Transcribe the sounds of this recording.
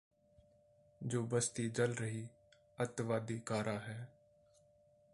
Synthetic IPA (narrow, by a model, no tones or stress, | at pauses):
d͡ʒoːbəst̪iːd͡ʒəlɾəɦiː | ət̪ʋaːd̪iːkaːɾʔaːɦɛː